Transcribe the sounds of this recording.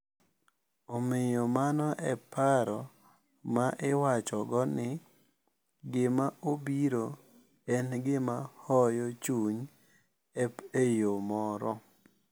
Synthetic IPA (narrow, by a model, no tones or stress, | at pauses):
omɪjɔmanɔʔɛpaɾɔ | maʔɪwat͡ʃɔɡɔnɪ | ɡɪmaʔobiɾo | ɛnɡɪmahɔjɔt͡ʃuɲ | ɛejomɔɾɔ